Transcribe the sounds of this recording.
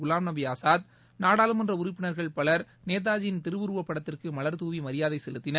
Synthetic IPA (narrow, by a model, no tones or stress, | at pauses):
ʊlaːmnɐbɪjaːsaːt̪ | naːɽaːlɯmɐndrɐʊɾɪpːɪnɐɾɣɐɭpɐɭɐɾ | neːð̬aːd͡ʒɪnt̪ɪɾɯʋɯɾɯʋɐpːɐɽɐt̪ːɪrkɯmɐlɐɾt̪uːʋimɐɾɪjaːðɐɪsɛlɯt̪ːɪnɐ